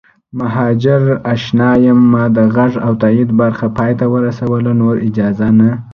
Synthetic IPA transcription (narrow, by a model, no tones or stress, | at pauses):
maɦɑd͡ʒɪɾaʃnɑjəmːɑd̪əɣaʐawt̪aid̪baɾxapɑjt̪awəɾasawəlanoɾɪd͡ʒɑzana